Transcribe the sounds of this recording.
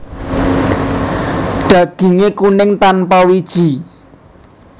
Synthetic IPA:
ɖ̥ä̤ɡ̥i̤ŋekunɪŋt̪anpɔwid̥ʒ̥i̤

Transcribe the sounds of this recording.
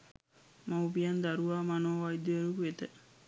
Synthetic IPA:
maubijand̪aɾuʋaːmanoːʋajd̪əʋeɾukuet̪ə

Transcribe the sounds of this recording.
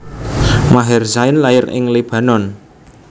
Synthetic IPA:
maɦɛrsaɪnlajɪɾɪ̰ŋlib̥ä̤nɔn

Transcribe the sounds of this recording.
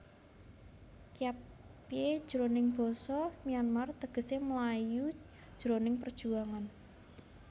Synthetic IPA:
kijap | jed̥ʒ̥ɾonɪŋb̥ɔ̤sɔmijanmart̪əɡ̥ə̤seməlaju | d̥ʒ̥ɾonɪŋpərd̥ʒ̥ṳaŋan

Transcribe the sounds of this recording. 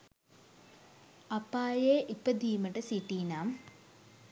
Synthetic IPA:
ɐpaːjeːʔipəd̪iːməʈəsiʈiːnaːm

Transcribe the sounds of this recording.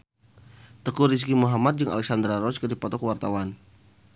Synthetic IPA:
t̪əkuɾis̬kimuɦamat̪̚d͡ʒɨŋa̰lɛk̚sand̪ɾaɾɔt͡ʃkədipɔt̪ɔkəwart̪awan

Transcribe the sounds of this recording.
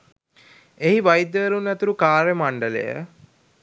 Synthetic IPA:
eɦiʋajd̪əːɾunːɛt̪uɾukaːɾemaɳɖələ̰jə̰

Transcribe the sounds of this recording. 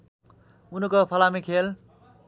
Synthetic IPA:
unʌkopʰʌlamikʰel

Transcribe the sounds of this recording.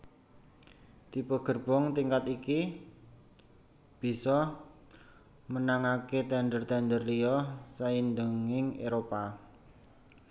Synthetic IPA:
t̪ipɔɡ̥ə̤rb̥ɔ̤ŋt̪iŋkat̪iki | b̥i̤sɔ | mənaŋaket̪ɛnɖ̪ərt̪and̪ərliɔsaindəŋɪŋḛɾopa

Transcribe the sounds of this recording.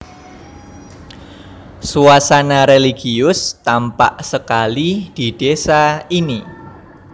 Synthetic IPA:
suasanaɾeliɡiʊst̪ampa̰ʔsəkalid̥id̥esaini

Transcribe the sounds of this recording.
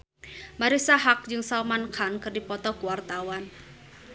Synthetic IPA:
maɾisaɦak̚d͡ʒɨŋsalmankʰankərdipɔt̪ɔkuwart̪awan

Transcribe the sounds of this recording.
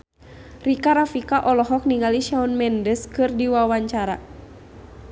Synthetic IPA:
rikaɾafikaʔɔlɔɦɔk̚niŋaliʃaunmɛndəskɨrdiwawaɲt͡ʃaɾa̰

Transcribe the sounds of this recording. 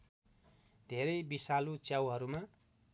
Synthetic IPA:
d̪ʱeɾʌjbisalut͡sjawɦʌɾuma

